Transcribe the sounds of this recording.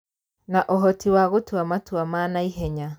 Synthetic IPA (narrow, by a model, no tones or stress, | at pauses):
naʔoɦɔtiwaɣotwamatwamaːnaiɦɛɲa